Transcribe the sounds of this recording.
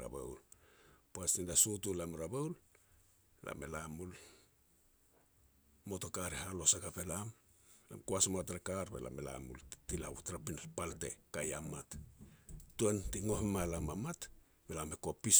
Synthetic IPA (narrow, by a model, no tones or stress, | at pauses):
ɾa̰bḛwlpuastindasutulamɾaβewl | la̰melamul | mo̞tokaɾeɦalo̞sakapelamla̰mkuasmatɾakaɾbḛla̰mela̰mṵltila̰wutɾapinalpalte̞̰kajamat | tuentiŋo̞hemalamamat | belamekopis